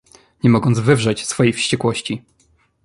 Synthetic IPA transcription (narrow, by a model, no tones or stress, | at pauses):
ɲɛmɔɡɔnd̪zvɘvʐɛt͡ɕsfɔjejfɕt͡ɕɛkwɔɕt͡ɕi